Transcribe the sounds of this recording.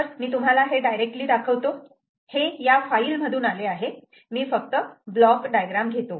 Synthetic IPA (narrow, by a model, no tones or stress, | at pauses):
əɾmiːt̪um̤alaɦeɖajɾek̚ʈliːd̪akʰəʋt̪o | hejafaiːlm̤əd̪uːnaleaɦe | miːfək̚t̪əblɔkɖajɡɾamɡʱet̪o